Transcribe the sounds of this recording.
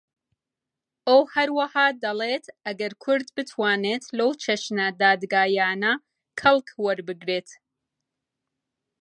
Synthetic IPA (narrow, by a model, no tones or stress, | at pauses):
ʔɐwhɐɾwɐhaːd̪ɐlet̪ʔɐɡɐɾkʰʊɾd̪bɨt̪ʰwaːneːt̪lɐwt͡ʃʰeʃnɐd̪aːd̪ɡaːjaːnɐ | kʰɐlˠkwɐɾbɨɡɾeːt̪